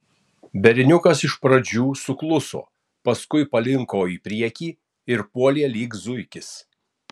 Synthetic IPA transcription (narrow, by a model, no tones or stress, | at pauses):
bʲɛɾʲɪnʲʊkɐsɪʃpɾɐd͡ʒʲuːsʊklˠʊso̰ː | pɐskʊɪpɐlʲɪŋkoːiːpʲɾʲiɛkʲiː | ɪɾpuɔlʲiɛlʲiːk̪zʊɪkʲɪs